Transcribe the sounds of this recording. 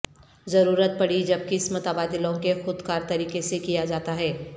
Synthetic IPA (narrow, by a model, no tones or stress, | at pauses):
zɐɾuːɾət̪̚pɐɽid͡ʒɐb̚kiɪsmət̪əbaːd̪ɪlõkexʊd̪kaːɾt̪ɐɾiːkesekijad͡ʒaːt̪aɦɛː